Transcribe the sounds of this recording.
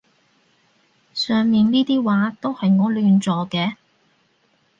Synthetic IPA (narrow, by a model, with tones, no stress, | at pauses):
sœː˨ŋmiː˨nniː˥t̪iː˥waː˨˧˥t̪o˥whɐ˨jŋɔː˨˧lyː˨˧nt͡sɔː˨kɛː˧